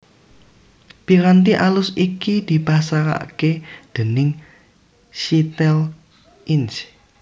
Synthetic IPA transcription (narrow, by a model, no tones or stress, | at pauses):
piɾant̪iʔalʊsikid̪̥i̤pasaɾa̰ʔked̪̥ə̤nɪŋ | ʃit̪ɛl | ʔɪns